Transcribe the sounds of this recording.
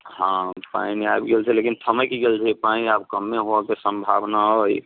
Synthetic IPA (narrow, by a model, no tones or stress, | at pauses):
hãpa̰iniajbɡelt͡ʃʰɛlekint̪ʰəməkiɡelt͡ʃʰɛpaĩabkəmːeɦoakesəmbʱabnaoj